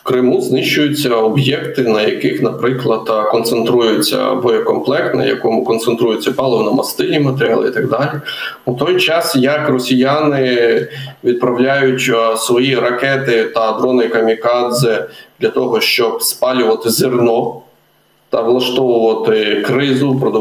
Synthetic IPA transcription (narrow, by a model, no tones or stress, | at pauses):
kɾɪmuznɪʃʊjʊt͡sʲːɐɔbjɛkt̪ɪnɐjɐkɪxnɐpɾɪklˠɐd̪kɔnt̪sent̪ɾujʊt͡sʲːɐ̰bɔjɛkɔmplˠɛkt̪nɐ̰jɐ̰kɔmʊkɔnt̪sent̪ɾujʊt͡sʲːɐpɑlˠɪʋnɐmɐst̪ɪlʲimɐt̪eɾʲɑlˠɪ̰ḭt̪ɐɡ̚d̪ɑlʲi | ut̪ɔjt͡ʃɑsjɐkrɔsʲijanɪ | ʋʲid̪̚pɾɐwlʲajʊtʲsʋɔjiɾɐkɛt̪ɪt̪ɐːd̪ɾɔnɔjikɐmʲikɑd̪zɪd̪lʲɐt̪ɔɦɔʃt͡ʃɔbspɑlʲʊʋɐt̪ɪzʲɪrnɔ | t̪ɐʋlˠɐʃt̪ɔʋʊʋɐt̪ɪkɾɪzʊpɾɔd̪ɔ